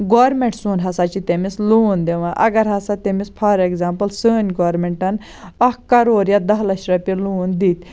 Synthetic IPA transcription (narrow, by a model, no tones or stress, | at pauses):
ɡoːɾmẽɳʈsuːnɦɐsat͡ʃit̪emisluːnd̪eʋãʔɐ̰ɡɐɾɦɐsat̪emispʰɐɾekzaːmpɐlsəːnʲɡoːɾmeɳʈɐn | ɐkɐɾoːɾjad̪ɐɦlɐʃɾɐpiɾluːnd̪it̪